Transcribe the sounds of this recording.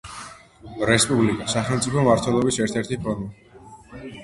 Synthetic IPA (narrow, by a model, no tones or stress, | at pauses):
ɾɛspʼublikʼasaχɛlˠmt̪sʼipʰɔmaɾt̪ʰwɛlˠɔbisɛɾt̪ʰɛɾt̪ʰipʰɔnɔ